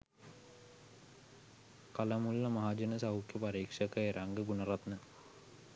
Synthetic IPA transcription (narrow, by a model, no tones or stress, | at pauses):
kalɐmulːɐmaɦad͡ʒɐnəsɐukjɐpaɾiːkʂɐkəeɾaŋɡəɡunɐrat̪nə